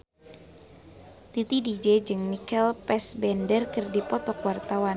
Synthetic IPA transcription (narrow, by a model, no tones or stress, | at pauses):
t̪it̪idid͡ʒed͡ʒɨŋnikɛlpɛsbɛndərkɨrdipɔt̪ɔkwart̪awan